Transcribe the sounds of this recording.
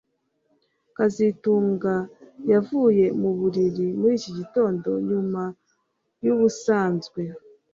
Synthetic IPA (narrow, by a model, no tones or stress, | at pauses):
kazituːŋɡajavuːje̞muβuɾiɾimuɾiːciɟito̞ːndo̞ɲuma | juβusaːnzɡwe̞